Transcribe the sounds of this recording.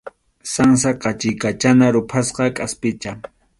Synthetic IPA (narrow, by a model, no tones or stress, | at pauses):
saŋs̬aqɑt͡ʃɪjkat͡ʃanaɾʊpʰasqɑkʼaspɪt͡ʃa